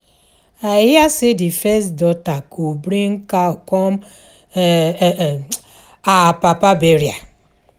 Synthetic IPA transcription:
ajasɪdɪfɛsdɔtakubɾeŋ̩kaɔkɔm̩ | apapabeɾja

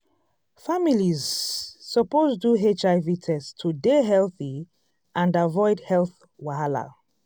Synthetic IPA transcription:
familizsɔpozduɦet͡ʃaɪvitʰɛstʰudeɦɛlθi | ʔãndavɔɪdhɛlθ | wahala̰

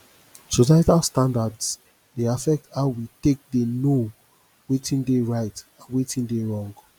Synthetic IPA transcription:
sosajtalstãndads | deafɛk̚taʊwitek̚deno | wetʰĩndeɹaɪtãnwetĩndeɹɔ̃ŋɡ

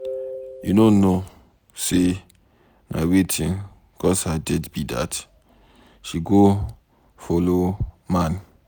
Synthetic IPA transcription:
junono | se | mʔa̰wetʰĩn | ɡ̥ɔshadɛdbida̰t | ʃiɡo | folomãn

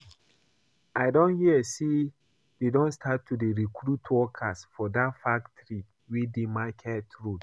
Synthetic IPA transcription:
aɪdɔ̃nhiəsi | dedɔ̃nstʰatʰːudeɹikʰɹutʰwɔkʰasfɔdatfaktɾi | widemakʰɛtɹud

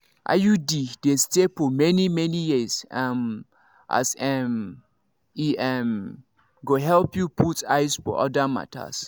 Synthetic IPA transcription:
ʔa̰judidestefɔmɛnimɛnijisam | ʔa̰sɛm | iɛm | ɡoɦɛlpjupʰutaɪsfɔ̰ʔɔ̰dama̰tʰa̰s

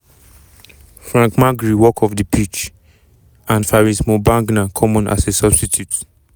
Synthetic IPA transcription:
fɹãŋkmaɡɹiwɔkʰɔfdipʰit͡ʃ | ãnfaɹismobãŋɡnakʰɔmɔ̃nʔa̰sesɔbstitʰjut

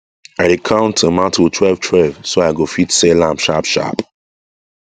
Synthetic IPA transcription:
aɪɾekʰãʊ̃ntʰəmãʊ̃ntʰɔtʰwɛlv̥tʰwɛlvsoaɪɡofitselãmpʃapʃa̰p

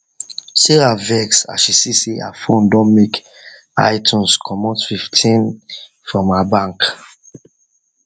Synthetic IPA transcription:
seɹavɛksa̰ʃisisea̰fõndɔ̃nmek | a̰ɪtʰũnskʰɔmɔ̃ntfiftʰĩn | fɹɔ̃mabãŋk

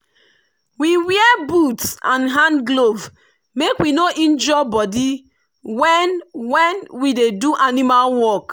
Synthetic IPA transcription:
wiwiɛbutsãnɦãnɡlov | mekwinoʔĩnd͡ʒɔbɔdi | wɛnwɛ̃nwideduʔanimalwɔk

